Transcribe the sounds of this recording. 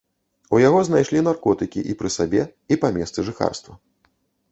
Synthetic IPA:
ujaɣɔznajʂlʲinarkɔt̪ɨkʲḭʔipɾɨsabʲɛipamʲɛst̪sɨʐɨxa̰rst̪vɐ

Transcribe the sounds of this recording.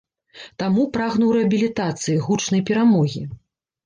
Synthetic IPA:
t̪amupɾaɣnuwɾɛɐbʲilʲit̪at̪sɨjiɣut͡ʂn̪ɐjpʲɛɾamɔɣʲi

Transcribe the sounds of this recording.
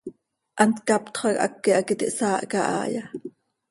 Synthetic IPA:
ʔɑnt̪kɑpt̪χɑkʔɑ̰kːiʔɑkit̪iʔsɑːʔkɑʔɑ̰ːjɑ

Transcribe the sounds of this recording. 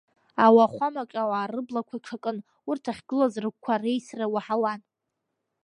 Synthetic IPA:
awaχʷamakʲʼawaːrɨblakʷʰaʈ͡ʂʰakʼɨn | urtʰaχʲɡɨlazrɨk̚ʷkʷʰarejsrawaħawan

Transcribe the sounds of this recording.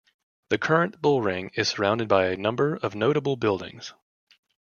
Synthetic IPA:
ðɨkʰɜ˞ɨ̃nb̥ʊlˠɹɪ̃ŋɨz̥sə˞ãʊ̃ndɨd̚baɪɨnʌ̃mbə˞ʌvnoʊɾəbl̩ˠbɪlˠdɪ̰̃ŋz̥

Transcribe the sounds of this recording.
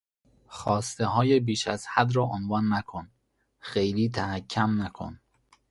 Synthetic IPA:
xɒːst̪eɦɒːjebiːʃæz̥hæd̪ɾɒːʔonvɒːnːækʰon | xejliːt̪ʰæhæcʰːæmnækʰo̰n

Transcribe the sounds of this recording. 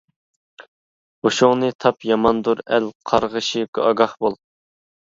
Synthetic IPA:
oʃʊŋnɨt̪ʰɑpjɑmɑnd̪uɾælqʰɑɾʁəʃiɡɑɡɑhbolˠ

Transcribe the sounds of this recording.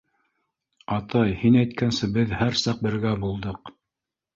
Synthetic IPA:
ɑt̪ɑjhinæjt̪̚kænsɘbɘðhæɾsɑq̚bɘ̆ɾɡæbulˠd̪ɤq

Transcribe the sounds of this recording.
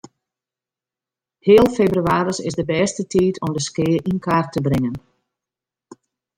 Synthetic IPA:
heːəlˠfebryaːɾəsɪ̰sdəbɛstətiːtʰɔmdəskɪːʔinkaːrtʰəbrɪŋən

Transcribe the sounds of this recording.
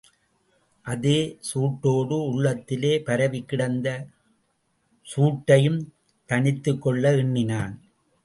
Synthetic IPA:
ʔɐðeːsuːʈːoːɽɯʊɭːɐt̪ːɪleːpɐɾɐʋɪkːɪɽɐnd̪ɐ | suːʈːɐjɯm | t̪ɐɳɪt̪ːɯkːɔɭːɐɪɳːɪnaːn

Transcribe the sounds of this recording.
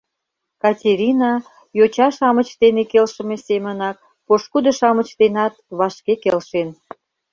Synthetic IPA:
kɑtʲeɾʲinɑ | jot͡ɕɑʃɑmət͡ɕt̪enekelʃə̆mesemənɑk̚ | poʃkud̪ə̆ʃɑmə̆t͡ɕt̪enɑt̪βɑʃkekelʃen

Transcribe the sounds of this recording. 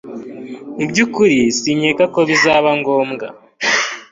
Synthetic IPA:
ibɟukuɾisiɲe̞kako̞βizaːβaŋɡo̞ːmɡa̰

